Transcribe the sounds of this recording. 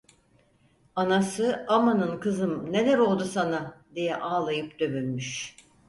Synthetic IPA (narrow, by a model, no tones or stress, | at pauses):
anasɯamanɯnkʰɯzɯmne̞lʲæɾo̞lˠd̪usanad̪ijɛʔaːlˠajɯpd̪̥ø̞mynmyʃ